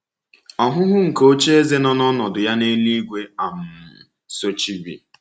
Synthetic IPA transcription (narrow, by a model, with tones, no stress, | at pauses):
ɔ˨ɦʊ˦ɦʊ˦ŋ̩˨ko˦t͡ʃe˦e˦ze˦nɔ˦nɔ˦nɔ˨dʊ˨ja˦ne˦ni˦ɡʷe˦a˨m̩˨ | so˦t͡ʃi˦bḭ˨